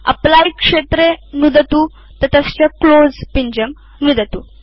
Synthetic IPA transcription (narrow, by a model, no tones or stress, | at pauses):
ə̰plajkʂet̪ɾenud̪ət̪uː | t̪ət̪ast͡ɕaklod͡zpiɲd͡ʑəm | nud̪ət̪uː